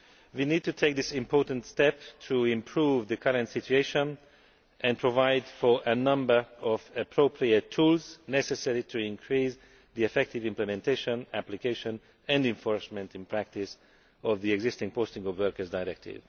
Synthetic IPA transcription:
winiːd̚tutʰeɪk̚ðɪsɪ̃mpʰɔɹtə̃n̩tstɛptʰuɪ̃mpʰɹuvðəkʰʌɹə̃ntsɪtueɪʃə̃n | ʔɛ̃npʰɹovaɪdfɔɹʔənʌ̃mbə˞ɔvəpʰɹopʰɹiɛtʰːuːlznɛsɛsɛɹitʰuɪ̃ŋkʰɹis | ðiɛfɛk̚tɪvɪ̃mplɛmɛ̃ntʰeɪʃə̃næplikeɪʃɔ̃n | ɛ̃ndɪ̃ɱfɔɹsmɛ̃ntɪ̃npʰɹæk̚tɪs | ɔvðiɛɡzɪstɪ̃ŋpʰostɪ̃ŋɔvwɜɹkə˞zdajɹɛk̚tʰɪ̰v̥

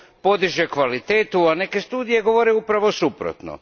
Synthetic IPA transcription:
po̞d̪iʒekʋalit̪eːt̪uane̞ke̞st̪uːd̪ije̞ɡo̞ʋo̞ɾeupɾaʋosupɾo̰t̪no̰

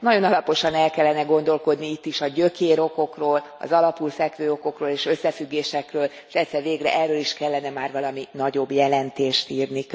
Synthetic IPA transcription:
nɒɟo̞nɒlɒpo̞ʃɒnɛlkɛlːɛnɛɡo̞nd̪o̞lko̞d̪niit̪ːiʃɒɟø̞keːɾo̞ko̞kroːlɒ̰zɒlɒpulfɛkʋøːo̞ko̞kroːleːʃø̞sːɛfyɡːeːʃɛkrøːl | ʃɛt̪sɛrʋeːɡrɛ̰ʔɛrːøːliʃkɛlːɛnɛmaːrʋɒlɒminɒɟo̞bːjɛlɛnt̪eːʃt̪iːrni

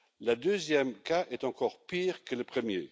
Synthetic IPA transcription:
lad̪øzjɛmkaʔɛt̪ɑ̃kɔːʁpiːʁkələpχəmjḛ

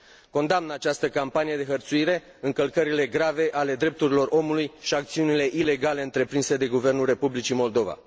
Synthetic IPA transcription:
ko̞nd̪amnat͡ʃast̪əkampanije̞d̪e̞ɦərt̪suiɾe̞ | ɨŋkəlkəɾile̞ɡɾave̞ʔale̞d̪ɾe̞p̚t̪uɾilo̞ro̞mulujʃiakt̪siunile̞ʔile̞ɡale̞ɨnt̪ɾe̞pɾinse̞d̪e̞ɡuve̞rnulre̞publit͡ʃimo̞ld̪o̞va̰

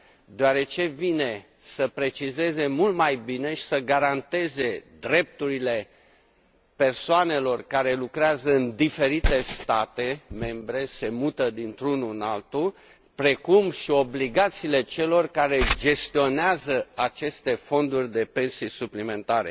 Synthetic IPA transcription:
d̪eoaɾe̞t͡ʃe̞vine̞ | səpɾe̞t͡ʃize̞ze̞mult̪majbine̞ʃi̥səɡaɾant̪e̞ze̞d̪ɾe̞p̚t̪uɾile̞ | pe̞rsoane̞lo̞rkaɾe̞lukɾeazəɨnd̪ife̞ɾit̪e̞st̪at̪e̞me̞mbɾe̞se̞mut̪əd̪int̪ɾunuɨnalt̪u | pɾe̞kumʃio̞bliɡat̪siːle̞t͡ʃe̞lo̞rkaɾe̞d͡ʒe̞st̪io̞neazəat͡ʃe̞st̪e̞fo̞nd̪urʲd̪e̞pe̞nsijsuplime̞nt̪aɾe̞̰

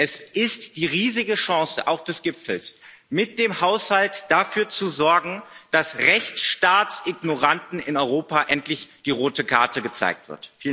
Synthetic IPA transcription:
ʔɛsʔɪstd̥iːʁiːzɪɡəʃɑ̃ːsə̰ʔaʊxd̥ɛsɡ̥ɪpp͡fl̩s | mɪt̚d̥eːmhaʊshaltd̥afyːɐt͡suzɔɐɡŋ̩d̥asʁɛçt͡sʃtaːtsʔɪɡnoʁantn̩ɪnɔʏʁoːpaʔɛntlɪçd̥iːʁoːtəkʰa̰ɐtəɡət͡sa̰ɪk̚tv̥ɪ̰ɐtfiːl

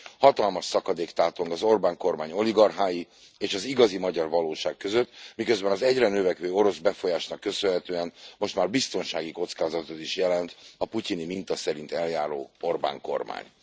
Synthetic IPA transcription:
hɒt̪ɒlmɒʃsɒkɒd̪eːkt̪aːt̪o̞ŋɡɒzo̞rbaːŋko̞rmaːɲo̞liɡɒrɦaːji | eːʃɒziɡɒzimɒɟɒrvɒloːʃaːkːøzøt̪ːmikøzbɛnɒzɛɟrɛnøvɛkʋøːo̞ɾo̞zbɛfo̞jaːʃnɒkːø̞sønɦɛt̪øːɛnmo̞ʃt̪maːrbist̪o̞nʃaːɡiko̞t̪skaːzɒt̪ot̪iʃjɛlɛnt̪ɒpucinimint̪ɒsɛɾint̪ɛljaːɾo̰ːo̞rba̰ːŋko̞̰rma̰ːɲ

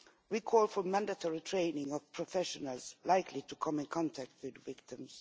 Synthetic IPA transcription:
wikʰɔlˠfɔmæ̃ndətʰɔɹitʰɹ̥ẽɪnɪ̃ŋɔv̥pʰɹ̥ɔfɛʃɔnəlˠz̥laɪkʰlitukʰʌ̃mɪ̃nkʰɑ̃ntʰæk̚t̚ʰwɪðvɪk̚tɪ̃mz̥

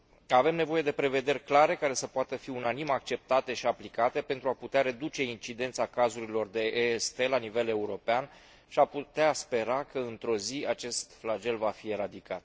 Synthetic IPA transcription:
ave̞mne̞vo̞jed̪e̞pɾe̞ve̞d̪e̞rʲklaɾe̞kaɾe̞səpoat̪əfiunanimak̚t͡ʃe̞p̚t̪at̪e̞ʃiaplikat̪e̞pe̞nt̪ɾuaput̪eaɾe̞d̪ut͡ʃe̞int͡ʃid̪e̞nt̪sakazuɾilo̞rd̪e̞ʔest̪e̞lanive̞le̞uɾo̞pean | ʃiaput̪easpe̞ɾakəɨnt̪ɾo̞ziat͡ʃe̞st̪flad͡ʒe̞lvafie̞ɾad̪ikat̪

